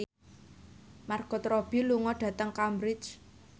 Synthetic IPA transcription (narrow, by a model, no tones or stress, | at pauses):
marɡ̥ɔ̤t̪ɾɔb̥i̤luŋɔɖ̥ä̤t̪əŋkambɾɪt͡ʃ